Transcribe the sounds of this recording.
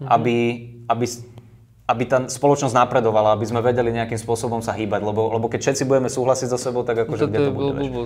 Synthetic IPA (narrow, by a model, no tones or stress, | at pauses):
abiabis | abit̪aːspɔlɔt͡ʃnɔznapɾɛd̪ɔʋalaabizmɛʋɛɟɛliɲɛakimspʊɔsɔbɔmsaɦiːbaɟlɛbɔlɛbɔkɛcfʃɛt̪t͡sibuɟɛmɛsuːɦlasiɟzasɛbɔʊt̪aɡakɔʒɛɡɟɛm